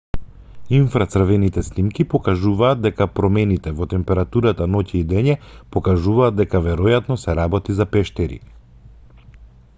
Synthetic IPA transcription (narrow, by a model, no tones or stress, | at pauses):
infɾat̪sr̩vɛnit̪ɛsnimkipɔkaʒuvaːd̪̚d̪ɛkapɾɔmɛnit̪ɛvɔt̪ɛmpɛɾat̪uɾat̪anɔcɛid̪ɛɲɛpɔkaʒuvaːd̪̚d̪ɛkavɛɾɔjat̪nɔsɛɾabɔt̪izapɛʃt̪ɛɾḭ